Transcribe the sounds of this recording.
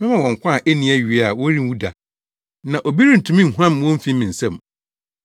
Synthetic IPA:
mɪ̃˦mã˨wɔ̃˨ŋ˨kʷʰã˦˨ʔe˦nĩ˨˦ɛ˦ɥi˨˦a˨wɔ˦ɾi˦u˦da˨ | nã˨ʔo˨bi˦ɾi˦n̩˨tʰũ˨mĩ˦n̩˨hu˦ã˦m˦wɔ̃˦m˦fĩ˦mĩ˨n̩˨sɛ̃˦˨m

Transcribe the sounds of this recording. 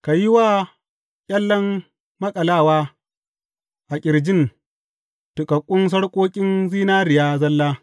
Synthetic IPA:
ka˨ji˦waː˦ | kʲʼɐ˦lːɐ˦m | mɐ˦kʼɐ˨laː˦˨waː˦ | ʔa˨kʲʼɪ˨ɽd͡ʒɪ˦n | tʊ˨kʼɐ˨kʷʼːʊ˦ns̬ɐ˦ɽkʷʼoː˦kʲʼɪ˦nziː˦naː˦ɾɪ˨jaː˦zɐ˦lːaː˦

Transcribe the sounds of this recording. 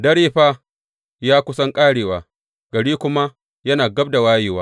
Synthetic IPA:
dɐ˦ɽeː˦ɸa˦ | jaː˦kʷʊ˦sɐ˦ŋkʼaː˦ɽeː˨waː˨ | ɡ̥ɐ˨ɽiː˦kʷʊ˦ma˦ | jɐ˦naː˨ɡɐ˦b̚da˨waː˦jeː˨waː˦

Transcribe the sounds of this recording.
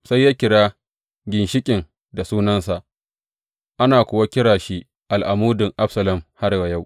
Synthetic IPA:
sa˦jːaː˦kʲɪ˨ɽaː˦ | ɡʲɪ˨nʃɪ˦kʲʼɪ˨ŋ | da˨suː˦nɐ˦nsa˨ʔ | ʔa˦naː˨kʷʊ˨wa˦kʲɪ˦ɽaː˨ʃi˦ | ʔa˨lʔa˨muː˦dɪ˨ŋʔa˦bsɐ˨lɐ˨mha˦ɾwa˨ja˦˨w

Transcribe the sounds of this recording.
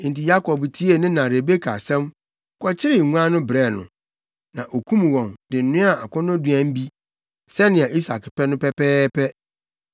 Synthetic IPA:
n̩˨ti˨ja˦kɔ˨btʰi˦e˦nɪ̃˦nã˨ɾe˨be˦kʰa̰˨sɛ̃˦m | kʰɔ˦t͡ɕʰɪ˦ɾɪ˨ŋũ˦a˦nʊ̃˦bɾɛ˦˨nʊ̰̃˨ | nã˨ʔo˨kʰũ˦m˨wɔ̃˨mdɪ˨n̩˨nʊ̃˦a˨a˨kʰɔ̃˦nʊ̃˦du˨ã˦m˦bi˦ | sɛ˦nɪ̃˨a˨ʔi˦sa˨kpʰɛ˦nʊ̃˦pʰɛ˦pʰɛː˦pʰɛ˦

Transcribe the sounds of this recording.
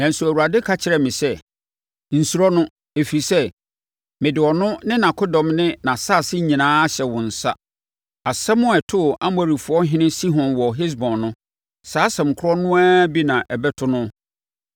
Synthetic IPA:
nɛ̃˨n̩˨su˨æ˨wu˨ɾa˨dɪ˦kʰa˦t͡ɕʰɪ˨ɾɛ˨mɪ̃˨sɛ˦ | n̩˨su˨ɾɔ˦nʊ̃˦ | e˨fi˨sɛ˦ | mɪ̃˨dɪ˨ɔ˨nʊ̃˦nɪ̃˦nã˨kʰʊ˦dɔ̃˨mnɪ̃˦nã˨saː˦˨sɪ˦ɲĩ˨nãː˦a˦ɕɛ˨wʊ̃˨n̩˨sa̰˦ | a˨sɛ˦mʊ̃˦ɛ˨tʰʊ˦˨a˦m˦ɔ˨ɾi˨fʊ˨ɔ˦ɦɪ̃˦nɪ̃˦si˦ɦɔ̃˨nwɔ˨ɦɪ˦s̬bɔ̃˨nːʊ̃˦ | saː˨˦sɛ̃˨m˨kʰʊ˦ɾɔ˦nʊ̃˦aː˦bi˦nã˨ʔɛ˨bɛ˦tʰʊ˦nʊ̃˦

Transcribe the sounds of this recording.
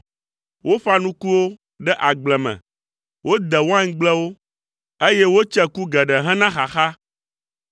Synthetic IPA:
wʔo˦fa˦nũ˦ku˦wo˦ | ɖɛ˦ʔa˨ɡ͡blɛ˨mɛ̰̃˨ | wʔo˦d̪ɛ˨wo˦ã˦ŋ̩˦ɡ͡blɛ˦wo˦ | e˦jɛ˦wo˦t͡ʃɛ˦ku˦ɡɛ˨ɖɛ˨ɦɛ̃˦nã˦xa˨xa˦

